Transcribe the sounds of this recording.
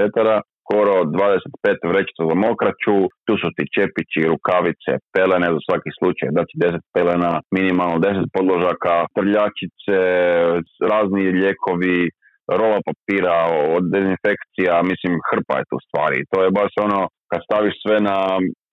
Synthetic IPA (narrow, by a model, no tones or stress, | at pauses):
et̪aɾasko̞ɾod̪ʋaːd̪eset̪peːt̪ʋɾe̞t͡ʃi̥t̪sazamo̞kɾat͡ʃut̪uːsut̪it͡ʃepit͡ʃiɾukaʋit̪sḛpe̞lenezasʋakixslˠut͡ʃajd̪at͡ʃid̪e̞set̪̚pe̞lenaminimalˠnod̪e̞s̬et̪̚po̞d̪lˠoʒakat̪r̩ʎat͡ʃit̪se | ɾaːzniʎeːkʰo̞ʋi | ɾolapapiːɾaod̪d̪ezinfe̞kt̪sijamislimxr̩pa̰jet̪ṵːst̪ʋaːɾiḭt̪o̞jebaʃo̞nokad̪st̪aʋiʃsʋena